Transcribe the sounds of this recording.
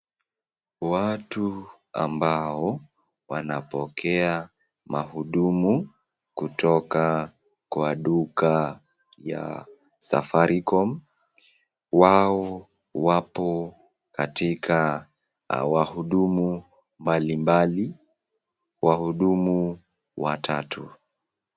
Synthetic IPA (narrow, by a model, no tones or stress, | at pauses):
watu | a̰mbaɔ | wanapɔkʰɛa | mahuɗumu | kutʰɔka | kwaɗuka | ja̰ | sa̰faɾikɔm | waɔ | wapɔ | katikʰa | wahuɗumu | mbalimbali | wahuɗumu | watʰatʰu